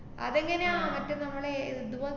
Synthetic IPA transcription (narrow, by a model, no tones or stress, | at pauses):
ɐ̰ðeŋːɐnejamɐtːɨnɐmːɐɭeiɨd̪uʋɐ